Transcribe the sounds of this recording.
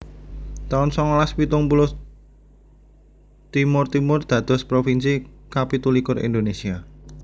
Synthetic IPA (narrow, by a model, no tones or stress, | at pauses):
t̪aʊnsɔŋɔlaspit̪ʊŋpulʊ | t̪imʊrt̪imʊrd̪̥ä̤d̪̥ɔ̤spɾofinsikapit̪ulikʊrḭnd̪onesia